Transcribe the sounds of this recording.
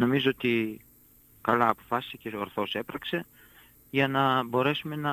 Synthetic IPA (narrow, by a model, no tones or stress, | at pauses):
no̞mizoot̪i | kɐlɐːpo̞fɐsi̥seceoɾθo̞se̞pɾɐkse̞ | ʝɐnɐbo̞ɾe̞sume̞nɐ